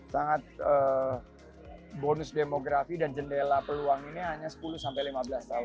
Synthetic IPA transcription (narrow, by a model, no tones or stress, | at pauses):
saŋat̪̚ə | bonʊsdemoɡɾafidand͡ʒəndelapəluaŋiniɦaɲasə̥pulʊsampajlimabəlast̪aʊn